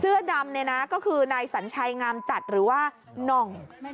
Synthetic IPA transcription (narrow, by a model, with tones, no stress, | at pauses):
sɯ˥˩ɐda˧mna˧jna˦˥kɔː˥˩kʰɯː˧naː˧jsa˩˦nt͡ɕʰa˧jŋaː˧mt͡ɕa˨˩t̪̚ɾɯː˩˦waː˥˩ | nɔ˨˩ŋ